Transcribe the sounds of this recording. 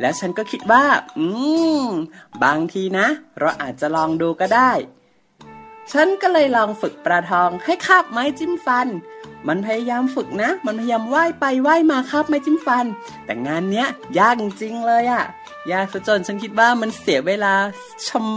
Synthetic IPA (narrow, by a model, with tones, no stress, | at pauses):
lɛː˦˥wt͡ɕʰa˦˥nkɔː˥˩kʰi˦˥t̪̚waː˥˩ʔɯː˧ | baː˧ŋt̪ʰiː˧na˦˥ʔɾa˧wʔa̰ː˨˩t̪̚t͡ɕa˨˩lɔː˧ŋduː˧kɔː˥˩daː˥˩j | t͡ɕʰa˦˥nkɔː˥˩lɤː˧jlɔː˧ŋfɯ˨˩k̚pɾaː˧t̪ʰɔː˧ŋha˥˩jkʰaː˥˩p̚ma˦˥˩jt͡ɕi˥˩mfa˧nma˧npʰa˧ja˧jaː˧mfɯ˨˩k̚na˦˥ma˧npʰa˧ja˧jaː˧mwaː˥˩jpa˧jwaː˥˩jmaː˧kʰaː˥˩p̚ma˦˥˩t͡ɕi˥˩mfa˧n | t̪ɛ̰ː˨˩ŋaː˧nːi˦˥ɐjaː˧˩kt͡ɕi˧ŋlɤː˧jʔa˨˩ | jaː˧˩su˨˧˩t͡ɕo˧˩nt͡ɕʰa˦˥nkʰi˦˥t̪̚waː˥˩ma˧nsi˩˦ɐweː˧laː˧ | t͡ɕʰa˧m